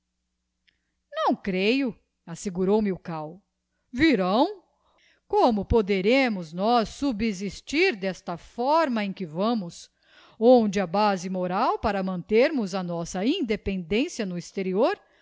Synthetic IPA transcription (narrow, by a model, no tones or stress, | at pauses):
nɐ̃w̃kɾejʊ | aseɡuɾowmɪʊkaw | viɾɐ̃w̃ | kõmʊpod̪eɾẽmʊznɔsːubizist͡ʃiɾd̪ɛst̪ɐfɔɾmɐẽkɪvɐ̃mʊs | õd͡ʒɪɐbazɪmoɾawpaɾɐmɐ̃nt̪eɾmʊzɐnɔsɐĩnd̪epẽnd̪ẽsiɐnʊist̪eɾioɾ